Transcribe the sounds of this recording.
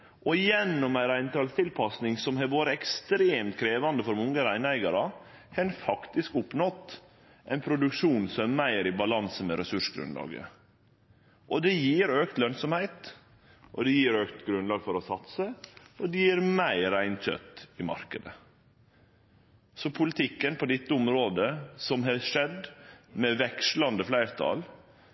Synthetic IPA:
ʔɔjɛnːɔmæɪɾæɪnt̪ʰɾɑlst̪ʰɪlpʰɑsnɪŋsɔmɦæʋoːɾəɛkst̪ɾeːmt̪̚kʰɾeːʋɑnd̪əfɔɾmɔŋːəɾæɪnæɪɡɑɾɑhʰɛnfɑkt̪ɪskʊpnɔt̪ː | ʔæɪnpʰɾʊd̪ʉkʂuːnsɔmæmæɪɾɪbɑlɑnsəmɛɾɛsʉʂɡɾʉ̰nlɑ̰ːɡə̰ | ʔɔd̪ɛjiːɾøːkt̪lœnsɔmhæɪt̪ | ʔɔd̪ɛjiːɾøːkt̪ɡɾʉnlɑːɡfɔɾɔsɑt̪səɔd̪ɛjiːɾmæɪɾæɪnc͡çœ̰t̪ːɪmɑ̰ɾkəd̪ə | sɔpʰʊlɪt̪ʰɪkːənpʰɔd̪ɛt̪ːəʊmɾoːd̪əsɔmɦɑʂɛd̪mɛʋɛkʂlɑnd̪əflæɪɾt̪ʰɑ̰l

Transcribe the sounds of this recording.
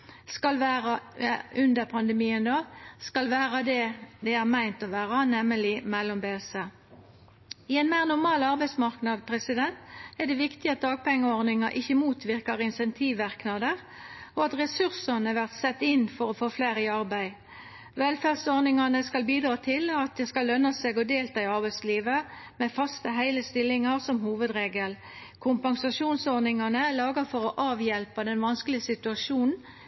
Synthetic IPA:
skɑlʋæːʁɑʉnd̪əʁpʰɑnd̪əmiːənd̪ɑːskɑlʋæːʁɑd̪ɛd̪ɛæːʁmæɪnt̪ɔʋæːʁɑnɛmːəlɪmɛlːɔmbeːsə | ɪɛɪnmæɪʁnʊʁmɑːlɑʁbæɪsmɑʁknɑd̪pʰʁɛsɪd̪ɛnt̪æd̪ɛʋɪkt̪ɪɑt̪̚d̪ɑːɡ̚pɛŋːəɔʁnɪŋɑʔɪçəmuːt̪ʋɪʁkɑʁɪnsɛnt̪ʰiːʋːɑʁknɑd̪əʁ | oɑt̪ʁɛsʉʁsɑnəʋæʁt̪sɛt̪ːɪnfɔʁɔfoːfleːʁɪɑʁbæɪ | ʋɛlfæʁdsɔʁnɪŋɑnəskɑlbiːd̪ɾʁɑːt̪ʰɪlɑt̪̚d̪ɛskɑlːœnɑseːɡɔd̪eːlt̪ʰɑɪɑʁbæɪsliːʋə | mɛfɑst̪əɦæɪləst̪ɪlːɪŋɑʁsɔmhuːʋəd̪ʁeːɡəl | kʰʊmpɑŋsɑʃuːnsɔʁnɪŋɑnəlɑːɡəfɔʁɔʔɑːʋjɛlpɑd̪ɛnʋɑnsklɪəsɪt̪ʉɑʂuːnn̩

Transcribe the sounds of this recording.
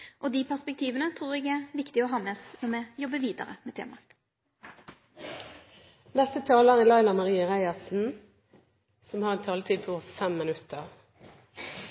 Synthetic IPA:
ʔɔd̪iːpʰæʁspɛk̚t̪ʰiːʋənət̪ʰɾuːʁɛɡɛʋɪkt̪ɪɔɦɑːmɛɔsnɔmɛːjɔbəʋiːd̪ə̰ʁə̰mɛːt̪ʰḛːmɑ̰ | nɛst̪ət̪ʰɑːləʁɛlɑɪlɑmɑʁiːəʁæɪɑsn̩ | sɔmhɑːʁɛnt̪ʰɑːlət̪ʰiːd̪̚pʰɔuːffɛmːɪnʉt̪əʁ

